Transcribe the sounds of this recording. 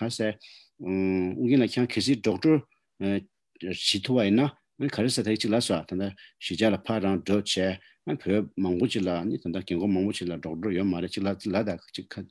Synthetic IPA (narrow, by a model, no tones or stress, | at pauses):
kasɛ | uɡinlacʰaŋkʰes̬iːɖ͡ʐɔʈ͡ʂo | t͡ɕʰit̪ʰuwajinːa | ʔanikʰaɾesat̪ait͡ɕik̚laswat̪ʰand̪aɕit͡ɕalapʰaraŋɖ͡ʐoʔt͡ɕʰɛː | ʔanipʰømɑŋpot͡ɕilaanit̪ad̪akeɡomɑŋpot͡ɕilaɖ͡ʐɔʔ̚ʈ͡ʂɔjøʔmaɾeʔt͡ɕiklat͡ɕilad̪at͡ɕiʔʰa